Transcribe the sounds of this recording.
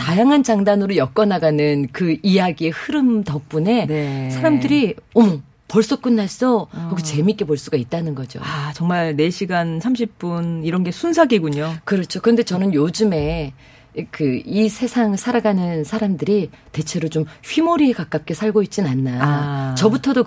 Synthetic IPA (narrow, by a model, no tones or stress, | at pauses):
tajaŋɦand͡ʑaŋdanɯɾojʌk͈ʌnaɡanɯnkɯijaɡie̞hɯɾɯmdʌk̚p͈une̞sʰaɾamdɯɾiʌmʌ | pʌɭs͈ʌk͈unːas͈ʰʌokʰut͡ɕe̞mik͈e̞boɭs͈uɡait̚t͈anɯnɡʌd͡ʑo̰at͡ɕʌŋmaɭne̞ɕʰiɡansʰamɕʰip̚p͈uniɾʌnɡe̞sʰunsʰaɡeɡuɲokɯɾʌt͡ɕʰokɯɾʌnde̞t͡ɕʌnɯnjod͡ʑɯme̞ | kɯisʰe̞sʰaŋsʰaɾaɡanɯnsʰaɾamdɯɾite̞t͡ɕʰe̞ɾot͡ɕomɸimoɾiekak͈ap̚k͈esʰaɭɡoit̚t͡ɕ͈inanːat͡ɕʌbutʰʌdo